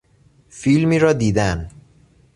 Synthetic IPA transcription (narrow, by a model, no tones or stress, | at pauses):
filmiːɾɒːd̪iːd̪æn